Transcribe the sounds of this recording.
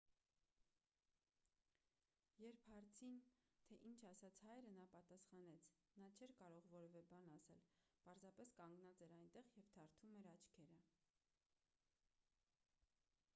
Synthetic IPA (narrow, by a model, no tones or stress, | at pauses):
jɛɾpʰhɑɾt͡sʰint̪ʰɛʔint͡ʃʰɑsɑt͡sʰhɑjɾənɑpɑt̪ɑsχɑnɛt͡sʰ | nɑt͡ʃʰɛɾkɑɾɔʁvɔɾɛvɛbɑnɑsɛlpɑɾzɑpɛskɑŋɡnɑt͡sɛɾɑjnt̪ɛʁjɛvt̪ʰɑɾt̪ʰumɛɾɑt͡ʃʰkʰɛɾə